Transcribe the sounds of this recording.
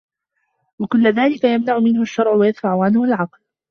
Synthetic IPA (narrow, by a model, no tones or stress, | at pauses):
wakʊlːðaːlɪkajamnaʕʊmɪnhʊʃːɑɾˤʕʊwajaðfaʕʊʕanhʊalʕɑql